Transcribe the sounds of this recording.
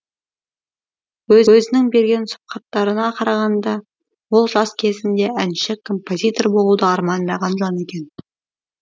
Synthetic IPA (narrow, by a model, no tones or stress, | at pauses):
wɵzɵzɪnɪŋbe̞ɾɡʲe̞nsʊ̥p̚qɑt̪ːɑɾənɑqʰɑɾɑʁɑnd̪ɑ | wo̞lˠʒɑskʲʰe̞zɪnd̪e̞ænʃɪkʰːo̞mpo̞zʲijt̪o̞rbo̞lˠud̪əɑɾmɑnd̪ɑʁɑnʒɑne̞kʲe̞n